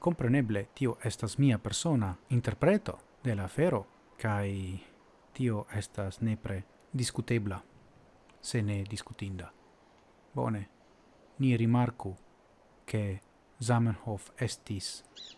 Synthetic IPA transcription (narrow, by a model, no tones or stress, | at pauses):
ko̞mpɾeneble̞t̪ioʔest̪asmiapeɾsonaint̪eɾpɾet̪o̞̰ | d̪e̞laːfeɾo̞ | kaj | t̪io̞ʔest̪asnepɾe | d̪iskut̪ebla | se̞ned̪iskut̪ind̪a | bo̰ne̞ | niɾimaɾku | kʰe̞ | zamanhofest̪is